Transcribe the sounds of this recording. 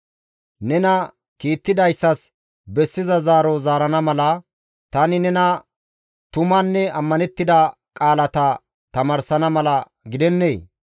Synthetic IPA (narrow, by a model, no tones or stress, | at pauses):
nɛnɐ | kiːt̪ːɪd̪ɐjsːɐs | bɛsːɪzɐzaːɾɔzaːɾɐnɐmɐlɐ | t̪ɐnɪnɛnɐ | t̪ʊmɐnːɛɐmːɐnɛt̪ːɪd̪ɐ | kʼaːlɐt̪ɐ | t̪ɐmɐɾsɐnɐmɐlɐ | ɡɪd̪ɛnːeː